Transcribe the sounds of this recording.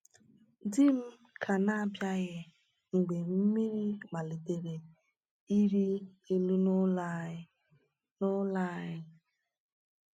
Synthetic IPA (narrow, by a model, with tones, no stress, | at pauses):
dɪ˦m̩˦ | kʰa˨na˦˨bja˦ɣɪ˦ | ŋ̩˨ɡ͡be˨m̩˦mi˦ɾi˦ma˨li˨de˨ɾe˨ | i˦ɾi˦ | e˦lu˦n˦ | no˦la˦˨˦ɪ˦